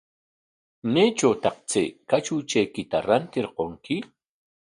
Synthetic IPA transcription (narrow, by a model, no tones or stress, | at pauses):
neːt͡ʃawt̪ɑqt͡sḛːkat͡ʃʊt͡ʃajkɪt̪aɾant̪ɪɾqoŋkɪ